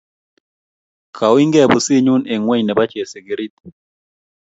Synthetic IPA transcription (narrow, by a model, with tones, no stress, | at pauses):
kʰa˨wi˦ŋɡɛ˦˨bu˨si˦ɲu˦ne˨ŋwɛ˦ɲnɛ˨ba˦t͡ʃe˨se˨ɡe˨ɾi˦t̪̚